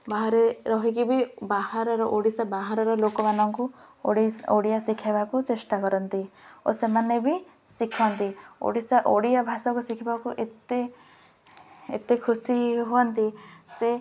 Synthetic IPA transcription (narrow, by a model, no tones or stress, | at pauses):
baɦaɾeɾɔɦikibibahaɾɔɾɔʔoɽisabaɦaɾɔɾɔlokɔmanɔŋkuɽioɽijasikʰebakut͡ʃesʈakɔɾɔnt̪io̰semanebi | sikʰɔnt̪io̰ɽisaʔoɽijabʱasɔkusikʰibakuʔet̪e | ḛt̪ekʰusiɦoɔnt̪ise